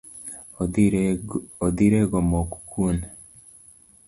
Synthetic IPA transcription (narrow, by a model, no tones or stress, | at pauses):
od̪iɾeɡomokkun